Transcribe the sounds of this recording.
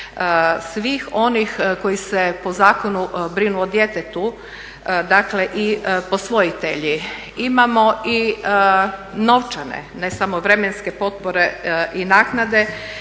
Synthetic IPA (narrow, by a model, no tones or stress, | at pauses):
sʋiːxo̞nixko̞jisepo̞zaːkonubɾinuod̪jet̪et̪u | d̪akle̞ʔiposʋo̞it̪eʎi | imamo̞i | no̞ʋt͡ʃanḛnesamoʋɾe̞menske̞po̞t̪̚poɾeʔinaːknad̪e̞